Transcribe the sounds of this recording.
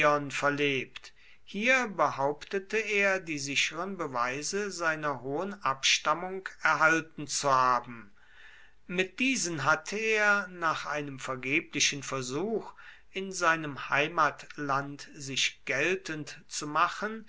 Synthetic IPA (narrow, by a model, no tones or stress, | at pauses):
ɔnfɛɐleːpt | hiːɐbəhaʊptətəeːɐdiːzɪçəʁənbəvaɪzəzaɪnɐɦoːənʔapʃtamʊŋkɛɐɦaltn̩t͡suhaːbm̩ | mɪt̚d̥iːzənɦatʰəeːɐnaːχʔaɪnəmfɛɐɡeːplɪʃənfɛɐzuːx | ɪnzaɪnəmhaɪmaːtlantz̥ɪʃɡ̥ɛltʰəntt͡sumaχən